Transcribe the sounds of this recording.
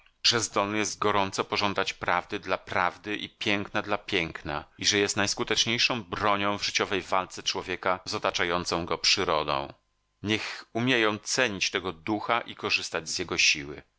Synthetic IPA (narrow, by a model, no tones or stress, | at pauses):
ʐ̥ɛzd̪ɔlnɘjɛst̪̚ɡɔɾɔnt̪sɔpɔʐɔnd̪at͡ɕpɾavd̪ɘd̪lapɾavd̪ɘʔipʲjɛŋknad̪lapʲjɛŋkna̰iʐɛjɛst̪najskut̪ɛt͡ʂɲejʂɔ̃w̃bɾɔɲɔ̃w̃vʐɘt͡ɕɔvɛjvalt̪sɛt͡ʂwɔvʲjɛkazɔt̪at͡ʂajɔnt̪sɔ̃w̃ɡɔpʂɘɾɔd̪ɔ̰̃w̃ | ɲɛxumʲjɛjɔ̃w̃t̪sɛɲit͡ɕt̪ɛɡɔd̪uxaʔikɔʐɘst̪ad͡ʑzjɛɡɔɕiwɘ̰